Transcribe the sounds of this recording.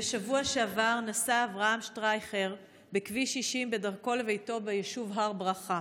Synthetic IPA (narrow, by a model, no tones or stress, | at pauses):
beʃavuaʃeavaʁnasaːvʁaamʃtʁajχeʁ | bekviʃiʃimbe̞daʁko̞levejto̞bejeʃuvɦaʁbʁaχa